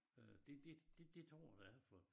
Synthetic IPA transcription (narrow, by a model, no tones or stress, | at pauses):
ød̥e̝d̥e̝d̥ed̥e̝t͡sʰɔːd̥ææfɒ